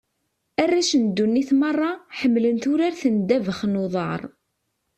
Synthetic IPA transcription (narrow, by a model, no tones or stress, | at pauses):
ærːæʃənd̪ːunːiθmɑrˤːɑħəmːlənt̪ʊɾaɾθənd̪ævəχnoðˤɑ̰ɾˤ